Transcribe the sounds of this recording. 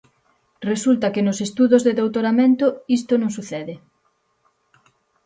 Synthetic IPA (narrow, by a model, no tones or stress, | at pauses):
result̪ɐkenosest̪uðozðeðowt̪oɾamẽnt̪oist̪onõŋsuθɛðɪ